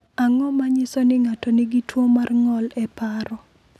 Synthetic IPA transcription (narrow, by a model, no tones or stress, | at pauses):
aŋɔmaɲɪsɔnɪŋatɔnɪɡɪtwomarŋɔlɛpaɾɔ